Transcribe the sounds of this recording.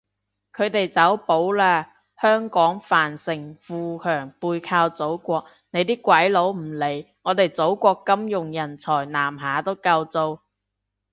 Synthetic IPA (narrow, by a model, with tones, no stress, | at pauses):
kʰɵ˨˧ɥt̪e˨jt͡sɐ˨˥wpo˨˥wlaː˧ | hœː˥ŋkɔː˨˥ŋfaː˨˩nsɪ˨˩ŋfuː˧kʰœː˨˩ŋpuː˧jkʰaː˧wt͡so˨˥wkʷɔː˧k̚ | ne˨˧jt̪iː˥kʷwɐ˨˥jlo˨˥wm̩˨˩le˨˩jŋɔː˨˧t̪e˨˩jt͡so˨˥wkʷɔː˧kːɐ˥mjʊ˨ŋjɐ˨˩nt͡sʰɔː˨˩jnaː˨˩mɦaː˨˥t̪o˥wkɐ˧wt͡so˧w